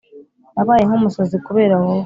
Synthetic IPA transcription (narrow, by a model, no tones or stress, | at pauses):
naβaːjeŋumusozikuβe̞ːɾawo